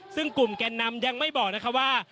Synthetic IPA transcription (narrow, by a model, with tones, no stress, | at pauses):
sɯ˥˩ŋku˨˩mkɛː˧nːa˧˥mja˧ŋma˥˩jbɔː˨˩k̚na˦˥kʰa˦˥waː˥˩